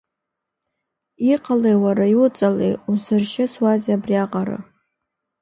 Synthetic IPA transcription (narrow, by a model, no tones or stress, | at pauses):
iqʰʼalejwaɾajʊt͡sʼalḛjusɨrʃɪswazabriaqʼaɾɨ̰